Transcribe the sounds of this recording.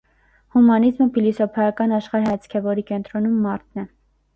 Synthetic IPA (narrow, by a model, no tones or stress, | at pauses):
humɑnizməpʰilɔsɔpʰɑjɑkɑnɑʃχɑɾɦɛt͡sʰkʰɛvɔɾikɛnt̪ɾɔnumːɑɾt̪̚ʰnɛ